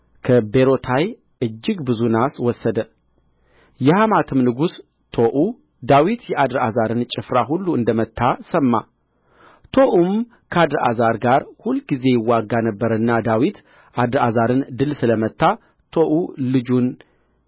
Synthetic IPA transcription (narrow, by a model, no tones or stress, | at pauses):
kʰəbe̞ɾo̞t̪ʰaj | ʔɨd͡ʒːɪɡbɨzunaswɔsːəd̪ə | jɛhamat̪ʰɨmnɨɡus | t̪ʰo̞ʔu | d̪awit̪jɛʔad̪ɾazaɾɨnt͡ʃʼɪfɾaɦulːuɨnd̪əmət̪ʰːasəmːa | t̪ʰo̞ʔum | kʰəad̪ɾʔa̰zaɾɡaɾhulɡize̞jɪwːaɡːanəbːəɾəɨnːad̪awit̪ | ʔad̪ɾazaɾɨnd̪ɨlsɨləmət̪ʰːa | t̪ʰo̞ʔulɨd͡ʒun